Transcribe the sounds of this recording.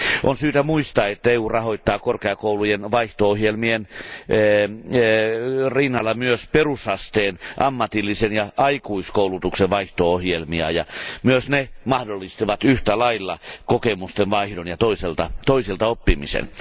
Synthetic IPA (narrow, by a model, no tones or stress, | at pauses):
ʔonsyːt̪æmuist̪ɑːet̪ːæeuːrɑhoit̪ːɑːkorkeɑkoulujenʋɑiht̪oohjelmienː | rinːɑlːɑmyøsperushɑst̪eːnʔɑmːɑt̪ilːisenjɑʔɑikuiskoulut̪ukseʋɑiht̪oohjelmiɑ̰jɑmyøsnemɑhdolːist̪iʋɑt̪yht̪ælɑilːɑkokemust̪enʋɑihdonjɑt̪oiselt̪ɑt̪oiselt̪ɑopːimḭsḛn